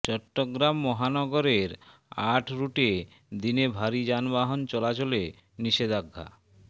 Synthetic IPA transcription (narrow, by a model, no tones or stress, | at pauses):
t͡ɕɔʈːoɡɾamːɔɦanɔɡoɾeɾ | aʈʰɾuʈe | d̪inebʱaɾid͡ʑanbaɦont͡ɕɔlat͡ɕole | niʃed̪aɡʱːa̰